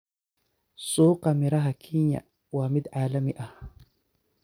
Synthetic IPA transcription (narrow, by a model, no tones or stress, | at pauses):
suːqɑmiɾaɦakʰiɲa̰ | wamɪd̪ʕaːlamiʔah